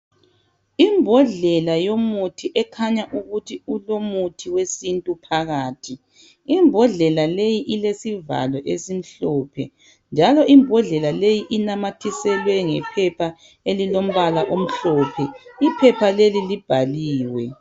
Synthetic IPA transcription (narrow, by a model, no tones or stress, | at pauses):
imbʱɔɮɛlajomutʰiʔɛkʰaɲaʔuɣutʰiulomutʰiwesintʼupʰaɣaːtʰi | imbʱɔɮɛlalejiʔilesiva̰lɔʔesim̩ɬɔːpʰɛ̰ | nd͡ʒʱalɔimbʱɔɮɛlalejiʔinamatʰisɛlwɛŋɛpʰɛpʰa | elilom̩βalaʔom̩ɬɔpʰɛipʰɛpʰalelilib̥ʱaliːwɛ